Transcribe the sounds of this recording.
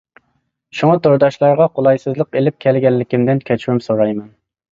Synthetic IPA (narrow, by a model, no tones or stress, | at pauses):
ʃuŋɑt̪ʰoɾd̪ɑʃlˠɑɾʁɑqʰolˠɑjsɨzlˠəqelɪp̚kʲʰɛlɡʲɛnlːɪkʲimd̪ɪnkʲʰɛt͡ʃʰwumsoɾɑjmɛn